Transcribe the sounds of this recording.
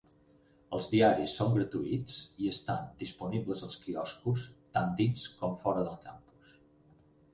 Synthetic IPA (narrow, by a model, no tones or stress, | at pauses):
əlˠzðiaɾisːoŋɡɾət̪uit͡siəst̪and̪ispuniβləzəlˠskiɔskust̪and̪inskɔmfɔɾəðəlˠkampu̥s